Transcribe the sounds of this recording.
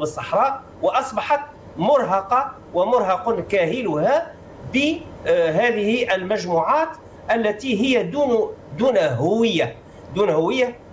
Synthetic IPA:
əsˤːɑħɾˤɑːʔ | wɑʔɑsˤbɑħɑt̪ | mʊɾˤɦɑqɑ | wæmʊɾˤhɑqʊnkæhɪlʊhæ | bɪɦæːd̪ɪhiʔəlmæʒmuʕaːt̪ | ʔælːæt̪iɦɪjːæd̪und̪uːnɦʊwəjːa | d̪uːnhʊwəjːa

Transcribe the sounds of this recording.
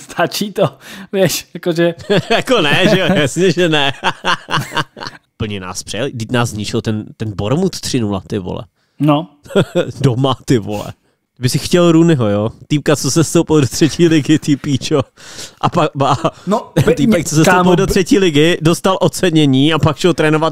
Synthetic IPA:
st̪ʰat͡ʃiːt̪ovjɛʃjakoʒɛjakonɛʒɛojasɲɛʒɛnɛ | upl̩ɲɛna̰ːspr̥ɛɛlidɪcnaːszɲɪt͡ʃɪlt̪ɛnt̪ɛnboɾmut̪t̪r̥ɪnula̰t̪ɪvo̰lɛ̰ | no | domat̪ɪvo̰lɛ̰ | t̪ɪbɪsɪxcɛlɾunɪɦojoːt̪iːp̚kat͡sosɛfst̪owpɪldot̪r̝̥ɛciːlɪɡɪt̪ipiːt͡ʃoʔapabanot̪iːpɛk̚t͡sosɛsowpɪldor̥ɛciːlɪɡɪdost̪alʔot͡sɛɲɛɲiːapakʃɛlt̪ɾɛːnovat̪̚

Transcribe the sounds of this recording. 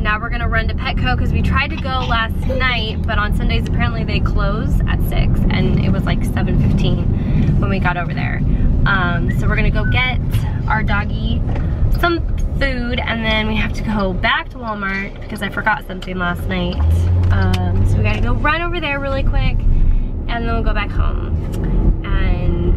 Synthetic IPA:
naʊwəɹɡʌnɨɹʌ̃ntɨpʰɛt̚kʰoʊkʰʌzwitʰɹ̥aɪd̚tɨɡoʊlæsnaɪt̚b̥ʌɾn̩sʌ̃ndeɪzɨpʰɛɹɨ̃nʔliðeɪkʰl̥oʊzɨ̰tsɪ̰ksɨ̰̃nɪ̰t̚wʌzlaɪksɛṽnfɪftʰĩnwə̃nwiɡɑɾoʊvə˞ðə̰˞ʔʌ̃msoʊwɨɹɡʌnɨɡoʊɡɛtʔaə˞dɑɡi | sʌ̃ɱfʉɾɨ̰̃nðɨ̃nwiɦæftʰɨɡoʊbæk̚tʰəwɔlˠmɑɹt̚b̥ɨ̥kʰʌzaɪfə˞ɡɑtsʌ̃mθɪ̃ŋlæstnaɪt̚ʔʌ̃msoʊwiɡɑtʰɨɡoʊɹʌ̃ɪ̃ɾoʊvə˞ðə˞ɹɪlˠikʰw̥ɪkʔɨ̃nðɨ̃nwilˠɡoʊbækhõ̰ʊ̃m | ʔɨ̃n

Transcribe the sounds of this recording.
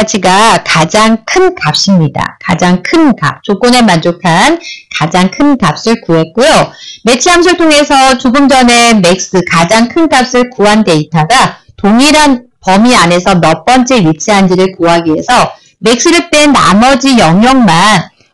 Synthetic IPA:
t͡ɕʰiɡakad͡ʑaŋkʰɯnkap̚ɕ͈imɲida̰kad͡ʑaŋkʰɯnka̰p̚t͡ɕok͈one̞mand͡ʑokʰankad͡ʑaŋkʰɯnkap̚s͈ɯɭkuɦe̞t̚k͈ujome̞t͡ɕʰiɦamɕ̬ʰiɭtʰoŋe̞sʰʌt͡ɕuɡɯmd͡ʑʌne̞me̞k̚s͈ɯkad͡ʑaŋkʰɯnkap̚s͈ɯɭkuɦande̞itʰaɡa | toŋiɾɦan | pʌmiane̞sʰʌmjʌp͈ʌnt͡ɕ͈e̞ɥit͡ɕʰiɦamd͡ʑʰiɾɯɭkuɦaɡiɦe̞sʰʌ | me̞k̚s͈ɯɾɯt͈enːa̰mʌd͡ʑijʌŋjʌŋman

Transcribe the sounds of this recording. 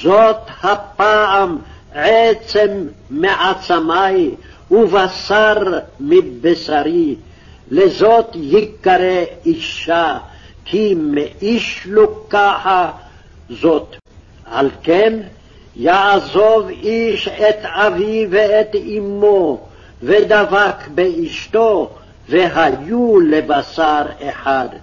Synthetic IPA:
zot̪hapːaʕam | ʕet͡semːeʕat͡samaj | uvasaɾmibesaɾi | lezot̪jikːaɾeiʃːa | kʰimeʔiʃlukːaħa | zot̪ | halken | jaʕzoviʃet̪aviveːt̪imːo | ved̪avakbeiʃt̪o | veɦajulebasaɾeħad̪

